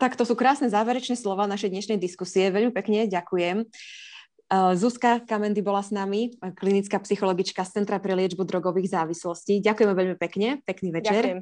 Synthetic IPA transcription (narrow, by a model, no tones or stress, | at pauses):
t̪akt̪ɔsuːkɾaːsnɛzaːʋɛɾɛt͡ʃnɛslɔʋaːnaʃɛjd̪ɲɛʃnɛjd̪iskusiɛʋɛʎmipɛkɲɛɟakujɛm | zuskakamɛnd̪ibɔlasnamiklinit͡skaːpsixɔlɔɡit͡ʃkast͡sɛnt̪ɾapɾɛlɪɛd͡ʒbud̪ɾɔɡɔʋiːɣzaːʋislɔsciɟakujɛmɛʋɛʎmipɛkɲɛpɛkniːʋɛt͡ʃɛɾ